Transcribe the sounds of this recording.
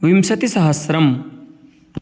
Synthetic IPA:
ʋimsɐt̪isɐɦɐsɾɐm

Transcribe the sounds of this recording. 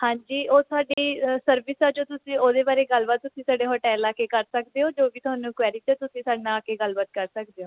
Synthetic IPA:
hãːɲd͡ʒiːʔoːt̪ʊaːɖiːsəɾʋɪsaːd͡ʒoːt̪ʊsĩːoːd̪eːbaːɾeːɡəlbət̪ːʊsĩːsaːɖeːɦoːʈɛːlaːkeːkəɾsək̚d̪eːɦoːd͡ʒoːʋiːt̪ʊaːnũːkʋɛːɾiʈ̪oːt̪ʊsĩːsaːɖnãːkeːɡəlbət̪̚kəɾsək̚d̪eːɦoː

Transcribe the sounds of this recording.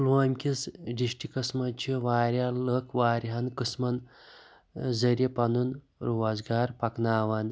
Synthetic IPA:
lʋaːmʲkʲisɖiʂʈikɐsmɐt͡ʃʰiʋaːɾʲaləkʰʋaːɾʲɦɐnkɨsmɐn | zɐɾjepɐnun | ɾuʋazɡaːɾpɐknaːʋan

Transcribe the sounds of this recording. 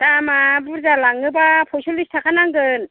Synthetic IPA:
d̥amabuɾzalaŋɯbapʰosolistʰakʰanaŋɡɯn

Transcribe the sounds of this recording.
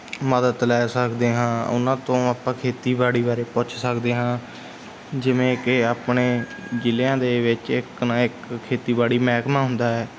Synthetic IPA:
məd̪ət̪lɛːsəkd̪eːɦãːʊ̰nãːt̪õːaːpãːkʰeːt̪iːbaːɽiːbaːɾeːpʊt͡ʃʰsəkd̪eːɦãː | d͡ʒɪʋẽːkɪaːpɳeː | d͡ʒɪlãːd̪eːʋɪt͡ʃɪknaːɪkʰːeːt̪iːbaːɽiːmɛːkmãːɦʊ̃nd̪aːɦɛː

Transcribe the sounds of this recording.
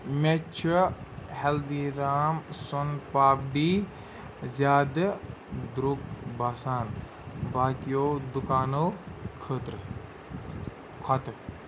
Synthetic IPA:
met͡ʃʰuheld̪iːɾaːmsunpaːp̚ɖiː | zjaːd̪d̪ɾukbaːsaːn | baːkijoːd̪ukaːnoːkʰət̪ɾ | kʰɔt̪

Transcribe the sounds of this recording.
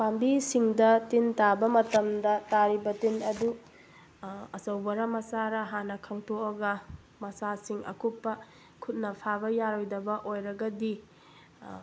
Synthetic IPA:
pambisiŋdɐtintabɐmɐtɐmdɐtaɾibɐtinɐdu | ɐsɐwbɐɾɐmɐsaɾɐɦanɐkʰɐŋtoɐɡɐ | mɐsasiŋɐ̰kupːɐ | kʰut̚nɐpʰaβɐjaɾojdɐbɐʔojɾɐɡɐdi

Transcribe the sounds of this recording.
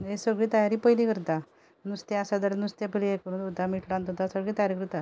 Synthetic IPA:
esəɡɭiːt̪əjaɾiːpəjlikəɾt̪a | nust̪ɛ̃asad̪əɾnust̪jepəliekəɾuːnd̪ut̪amiʈlant̪ot̪asəɡɭiːt̪əjaɾikəɾuɾt̪a

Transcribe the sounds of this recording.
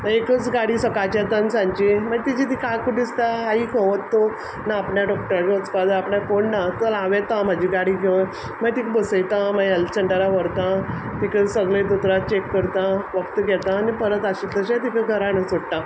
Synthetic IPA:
məekət͡sɡaɽiːsəkat͡ɕɛt̪ə̃nsãɲt͡ɕiməɡt̪id͡ʑit̪ʰikakuʈit͡st̪aɦaiːkʰoʋət̪ːo | naːpɳjaɖɔk̚ʈəɾd͡ʑeət͡skad̪əapɳjakoɳnat̪əlãʋɛ̃t̪ãm̤ad͡ʑʱiɡaɽiːɡʱeʋə | məɡt̪ikbəsəjt̪ãməjəlt͡ɕəɳɖəɾaʋəɾt̪ã | t̪ikəsəɡlẽd̪ut̪ɾat̚t͡ɕekːəɾt̪ãʋəkt̪ɡɛt̪ãːnipəɾət̪aɕit̪əɕãt̪ikəɡʱəɾanəsoɽt̪ã

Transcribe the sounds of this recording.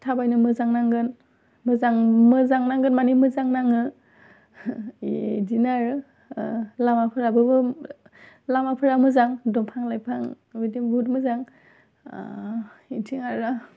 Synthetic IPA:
tʰabajnɯmɯzaŋnaŋɡɯn | mɯzaŋmɯzaŋnaŋɡɯnmanimɯzaŋnaŋɯ | dinaɹɯ | lamapʰɯɾabɯbɯ | lamapʰɯɾamɯzaŋdɔmpʰaŋlajpʰaŋ | widimɡutmɯzaŋ̰ | intʰiŋaɾa

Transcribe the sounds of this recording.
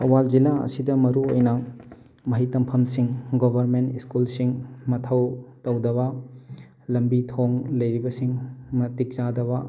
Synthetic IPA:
ɐ̰wald͡ʒilaɐ̰sidɐmɐɾuo̰jnɐ | mɐɦitɐmpʰɐmsiŋɡobʱɐɾmentiskulsiŋmɐtʰɐwtɐwdɐβɐ | lɐmbitʰoŋlɐjɾibɐsiŋmɐtik̚zadɐβɐ

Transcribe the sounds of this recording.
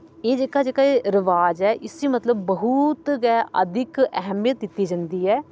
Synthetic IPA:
eːd͡ʒeːkaːd͡ʒeːkaːeːɾɪʋaːd͡ʒɛːʔɪsiːmət̪ləbːəɦut̪ɡɛːə̰d̪ʱɪkɛ̰ɦɛmijət̪̚d̪ɪt̪ːiːd͡ʒə̃nd̪iːɛː

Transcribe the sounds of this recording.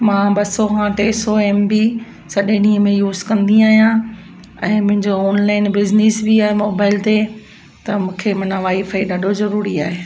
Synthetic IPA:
mãːbɐsoɦãʈ̪eːsoeːmbi | sɐɗẽɗĩːɦəmẽjuːzkɐ̃nd̪iaːɦijã | ɛ̃ːmʊ̃ɦɪ̃ɲd͡ʑoɔːnlaːɪnbɪznɪsbiaːɦemoːbaːɪlt̪e | t̪ɐmũːkʰemɐnaʋaːifɐiɗaːɖʱozɐɾuːɾiaːɦeː

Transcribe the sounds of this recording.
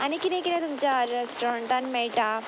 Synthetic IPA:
anikit̪ẽkiɾẽt̪umt͡ɕaɾesʈɔɾəɳʈanmeɭʈa

